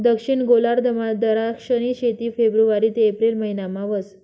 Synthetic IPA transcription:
d̪əkʂiɳɡolaɾd̪əmad̪əɾakʂəniɕet̪iːfebɾuʋaɾiːt̪eːpɾilməɦinamãʋəs

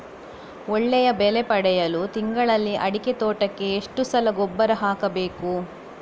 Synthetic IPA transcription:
ɔɭːɛjɐbɛlepɐɽɛjɐlut̪iŋɡɐɭɐlːiʔɐɽiket̪oːʈɐkːe̞ːʂʈusɐlɐɡɔbːɐɾɐɦaːkɐbe̞ːku

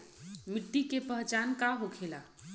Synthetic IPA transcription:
miʈːikepəɦt͡ʃankaɦokʰela

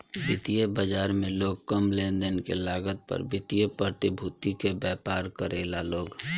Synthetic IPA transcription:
bɪt̪ijəbəd͡ʒaːɾmẽloːɡ̚kəmleːnd̪ənkḛlaːɡət̪̚pə̰ɾbɪt̪ijəpɾət̪ɪbʱut̪ikebɛːpaːɾkəɾeːlaloːɡ

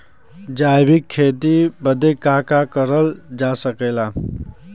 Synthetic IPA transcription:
d͡ʒaːjbɪkʰːeːt̪ibəd̪ekakakəɾəld͡ʒasəkeːla

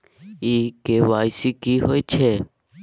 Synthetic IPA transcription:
ikeʋaːjsikiɦoːit͡ʃʰe

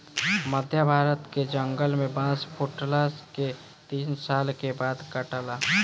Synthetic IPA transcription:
məd̪ʱjəbʱaːɾət̪ked͡ʒəŋɡəlmẽbãːspʰuʈlaske | t̪iːnsaːlkebaːd̪kəʈəlaː

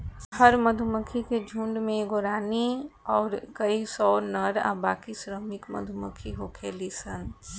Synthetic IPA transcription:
həɾməd̪ʱuməkʰiked͡ʒʱuːɳɖmẽɡoɾaːniɔːɾkəisɔːnəɾa̰ba̰ːkisɾəmɪkmə̰d̪ʱʊməkʰiɦoːkʰeːlisən

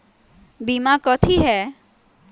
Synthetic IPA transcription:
bimakɔt̪ʰiɦɛː

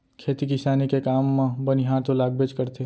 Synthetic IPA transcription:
kʰeːt̪ikɪsaːnikekaːmbɐnɦãt̪olaːɡ̚bet͡ʃkɐɾt̪e

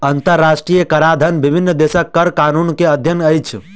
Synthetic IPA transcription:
ənt̪əɾːasʈɾijəkəɾad̪ʱənbibʱinːd̪esəkːəɾkanunkeəd̪ʱjənəjt͡ʃʰ

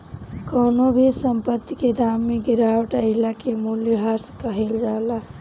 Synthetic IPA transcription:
kəːnobʱiɾsəmpət̪ːiked̪ʱamːeɡiɾawəʈəɪlakemuljɦaɾskəɦeld͡ʒala

